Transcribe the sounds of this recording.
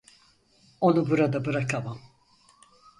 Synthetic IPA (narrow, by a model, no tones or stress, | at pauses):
o̞nubuɾad̪abɯɾakʰamam